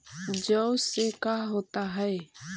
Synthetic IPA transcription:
d͡ʒəʊsekaːɦoːt̪aɦɛe

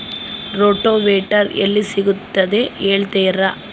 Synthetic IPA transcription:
ɾoːʈːoːʋeːʈːaɾɛ̰lːisɪɣɯt̪ːɐðeːeːɭt̪eːjɾaː

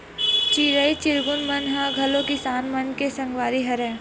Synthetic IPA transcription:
t͡ʃiɾəit͡ʃɪɾɡʊnmɐnɦãɡʱɐlõkɪsaːnmɐnkesɐ̃ŋɡʋaːɾiɦɐɾɛ̃ː

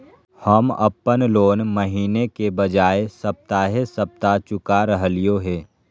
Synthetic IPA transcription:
həmə̰pːənloːnməɦiːnekebəd͡ʒaːesəp̚t̪aɦesəp̚t̪at͡ʃʊkaɾəɦlijoɦɛː

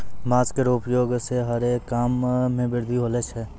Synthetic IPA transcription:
maːt͡ʃkeɾoːpjoːɡseɦəɾekaːmːẽbɪɾd̪ʱiɦoːlet͡ʃɦɛː

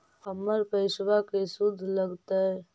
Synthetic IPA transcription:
əməɾpəɪswakesʊd̪ʱləɡt̪aɦɛ

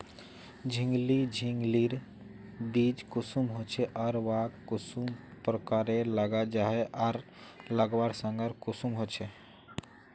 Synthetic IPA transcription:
d͡ʒʱĩŋɡlid͡ʒʱiŋɡliɾ | biːd͡ʒkusumɦot͡ʃʰeʔɔɾʋakkːʊsumpɾəkaːɾeləɡad͡ʒaɦeʔaɾ | ləɡʋaɾsə̃ŋɡəɾkʊsumɦot͡ʃʰe

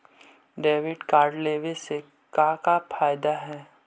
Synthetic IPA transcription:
ɖeːʋɪɖkaːɾɖleːʋese | kãːkapʰaːjd̪aɦɛː

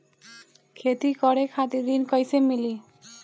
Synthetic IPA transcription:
kʰet̪ikɔɽekʰat̪iɾd̪inkɔjsemili

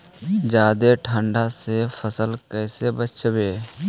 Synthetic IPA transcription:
d͡ʒaːd̪eʈʰə̃ɳɖasepʰəsəlkɛːsebətːt͡ʃʰbeː

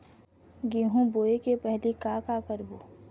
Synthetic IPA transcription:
ɡiːɦũboːekepɛɦlikakakəɾboː

